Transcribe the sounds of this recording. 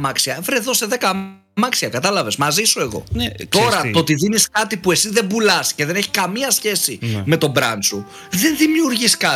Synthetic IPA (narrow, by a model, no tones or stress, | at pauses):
mɐksiɐvɾeðo̞se̞ðe̞kɐ | mɐksiɐkɐt̪ɐlɐve̞zmɐzisue̞ɣo̞̰nt̪o̞ɾɐt̪ot̪iðiniskɐt̪ipue̞sizðebulɐsce̞ðe̞ne̞çi̥kɐmiɐsçe̞sime̞t̪o̞bɾɐnsu | ðe̞nðimiuɾʝiskɐ